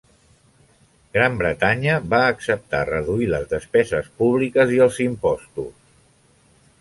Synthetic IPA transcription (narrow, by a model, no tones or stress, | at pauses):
ɡɾambɾət̪aɲəβaːksəp̚t̪a̰rəðuiləzðəspɛzəspuβ̞likəziəlˠzimpɔst̪us